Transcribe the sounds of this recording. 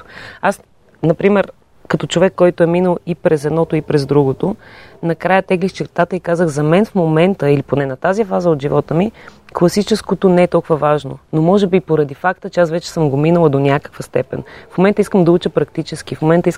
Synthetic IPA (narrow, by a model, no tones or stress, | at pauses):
as | nɐpɾimɛɾ | kɐt̪ɔt͡ʃovɛkːɔjt̪oɛminəlˠipɾɛzɛd̪nɔt̪oipɾɛzd̪ɾuɡot̪onɐkɾajət̪ɛɡlixt͡ʃɛɾt̪at̪əikazəxzɐmɛnfmomɛnt̪əiliponɛnɐt̪azifazəod̪ʒivɔt̪əmiklˠɐsit͡ʃɛskot̪onɛɛt̪ɔlˠkʊvəvaʒno̰nomɔʒɛbipoɾɐd̪ifakt̪ət͡ʃɛasvɛt͡ʃɛ̥səmɡominəlˠəd̪onʲakə̥kvəst̪ɛpɛ̰nfmomɛnt̪əiskəmd̪ɐut͡ʃəpɾɐkt̪it͡ʃɛsk̟ifmomɛnt̪əis